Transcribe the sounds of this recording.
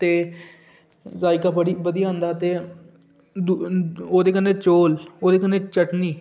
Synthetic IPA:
t̪eː | zaːikaːpəɽiːbəd̪ijãːnd̪aːt̪eː | oːd̪eːkənːeːt͡ʃoːloːd̪eːkənːeːt͡ʃəʈniː

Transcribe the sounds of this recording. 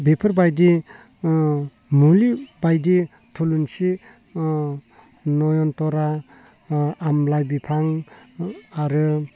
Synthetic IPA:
bepʰəɾbajdi | mulibajdi | tʰulunsi | nɔjɔntɔɾa | mlajbipʰaŋ | aɾɯ

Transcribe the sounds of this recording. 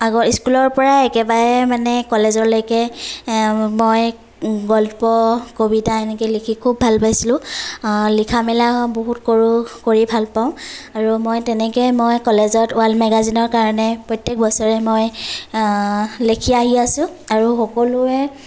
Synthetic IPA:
aɡɔiskulɔɹpɔɹaɛkɛbaɹɛmanɛkɔlɛzɔɹlojkɛ | moj | ɡɔlpɔkobidaɛnɛkɛlekʰikʰubʱːalpajsilʊ̃ | likʰamɛlaɔboɦutkoɹukoɹibʱalpaʊ̃aɹumojtɛnɛkɛjmojkɔlɛzɔtʊalmɛɡazinɔɹkaɹɔnɛpɹɔjtːɛk̚bɔsɔɹɛmoj | lekʰiaɦiasʊ̃aɹuxɔkɔlʊɛ

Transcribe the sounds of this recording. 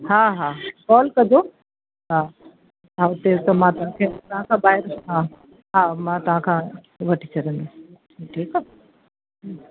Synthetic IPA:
ɦãːɦaːkɔːlkɐd̪o | ɦaː | aʊt̪et̪omãt̪ɐʋãkʰẽːt̪ɐɦãkʰãːbaːɪɾɦaː | ɦaːmãːt̪ɐʋ̤ãkʰãː | ʋɐʈʰi̥t͡ɕʰɐɾə̃nd̪o | ʈʰiːka

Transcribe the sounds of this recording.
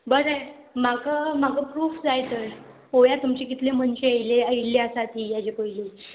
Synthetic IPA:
bəɾaj | makəmaɡəpɾuːfd͡zajt̪əɾ | ojat̪umt͡ɕekit̪leməɳt͡ɕeəjleəjleəsat̪ijad͡ʑekoile

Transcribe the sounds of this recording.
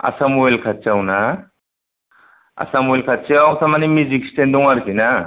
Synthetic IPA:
a̰samuelkʰat͡ʃawna | a̰samuelkʰat͡ʃawtamanimuzikstend̪uŋaɾkʰina

